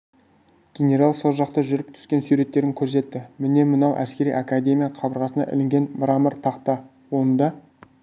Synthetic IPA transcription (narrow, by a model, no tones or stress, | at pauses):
ɡ̥ʲenʲe̞ɾalˠso̞lˠʒɑqt̪əʒʏɾɪp̚t̪ʰʏ̥skʲe̞nsuɾe̞t̪ːe̞ɾɪŋkʲʰɵɾs̬e̞t̪ːɪmɪne̞mənɑwʔæ̰skʲe̞ɾḭʔakad̪ʲe̞mʲijɑqʰɑbəɾʁɑsənɑ̰ʔɪ̰lɪŋɡʲe̞nbɾɑməɾt̪ʰɑqt̪ɑ | wo̞nnd̪ɑ